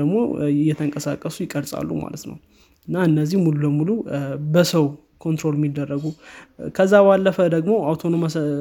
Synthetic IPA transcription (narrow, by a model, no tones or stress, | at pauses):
əɡmo̞̰ɪjːɛt̪ʰəŋkʼəsakʼːəsujɪkʼəɾsʼa̰lːṵma̰lət̪nə̰w | ɨnːaɨnːəzːihmulubəmulubəsəw | kʰo̞nt̪ɾo̞lmːid̪ːərːəɡukʰəzːabalːəfəd̪əɡmo̞awt̪ʰo̞nom